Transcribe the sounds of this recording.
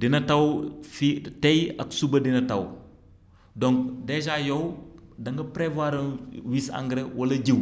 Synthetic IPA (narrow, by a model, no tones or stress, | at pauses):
dinɐtɐwfiteja̰ksubɐdinɐtɐw | doŋkdeʃ̬ajowdɐŋɡɐpɾevaɾɐwisa̰ŋɡɾewɐlɐɟiw